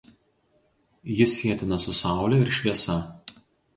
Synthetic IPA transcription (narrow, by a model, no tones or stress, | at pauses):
jɪsʲːiɛt̪ʲɪnɐsʊsɑˑʊlʲɛɪɾʃʲʋʲiɛsɐ